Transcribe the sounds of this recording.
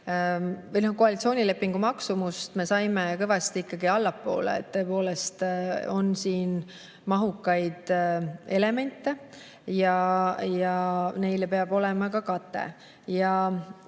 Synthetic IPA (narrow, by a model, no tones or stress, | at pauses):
vɤjnohkoɑlit̪sio̞ːnʲile̞pːiŋɡumɑksumust̪me̞sɑjme̞kɤjvɑst̪iikːˑɑɡiɑlːɑpːˑo̞̰ːlḛːt̪ːɤ̞epo̞ːle̞st̪o̞nsiːn | mɑɦukːɑjd̪̥e̞le̞me̞nt̪ːe̞ | jɑjɑne̞jlpe̞ɑb̥o̞le̞mɑkɑkɑt̪ːˑe̞̰ | jɑ